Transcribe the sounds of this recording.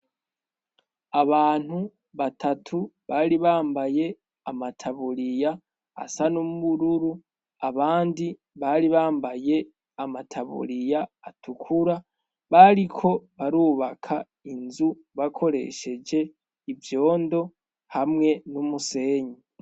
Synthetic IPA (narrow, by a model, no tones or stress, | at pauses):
aβaːn̥hu | βatʰatʰuβaɾiβaːmbaje̞ | amatʰaβuɾija | a̰sanumuβuɾuɾu | aβaːndi | βaɾiβaːmbaje̞ | amatʰaβṵɾijaːtʰukʰuɾa | βaɾikʰo̞βaɾuːβakʰa | inzu | βakʰo̞ɾe̞̰ʃe̞d͡ʒe̞ | ivjo̞ːndo̞ | hamŋe̞numuse̞ːɲi